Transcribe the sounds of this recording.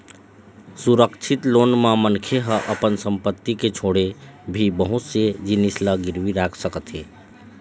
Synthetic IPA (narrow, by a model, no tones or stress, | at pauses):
suɾəkt͡ʃʰit̪lonmemənkʰeɦəʔəpənsəmpət̪ːiket͡ʃʰoɽebʱibəɦut̪sed͡ʒinisləɡiɾʋiɾakʰsəkət̪ɦe